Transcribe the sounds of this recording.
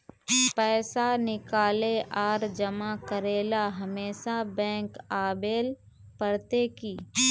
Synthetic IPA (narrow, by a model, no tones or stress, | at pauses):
pɛːsanɪkaːleʔaːɾd͡ʒɐmakəɾeːlaɦɐmeːʃabɛ̃ːŋkaːbeːl | pəɾt̪ekiː